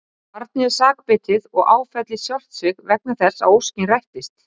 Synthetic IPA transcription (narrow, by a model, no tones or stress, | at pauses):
paɾt̪̚nɪɛ̥saːkpɪt̪ɪðɔɣaːwfɛt̪lɪsjɔl̥t̪sɪɣvɛk̚nḁθɛsːa̰wowscɪnrajht̪ɪst̪